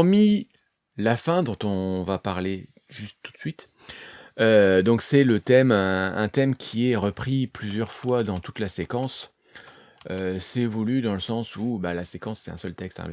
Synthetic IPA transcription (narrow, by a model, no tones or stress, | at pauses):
pʁmi | lafɛ̃d̪ɔ̃t̪ɔ̃vapaʁle | ʒyst̪ːu̥t̪sɥit̪ | ød̪ɔ̃ksɛlət̪ɛmɛ̃ɛ̰̃t̪ɛmkʲʰiɛʁəpχiplyzjœʁfwad̪ɑ̃t̪ut̪lasekɑ̃s | øsɛvulyd̪ɑ̃ləsɑ̃subalasekɑ̃sːɛ̥t̪ɛ̃sœlt̪ɛkst̪ɛ̰̃l